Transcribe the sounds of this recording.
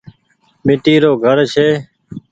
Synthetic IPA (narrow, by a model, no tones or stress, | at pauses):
mɪʈiːɾoːɡʱəɾʃeː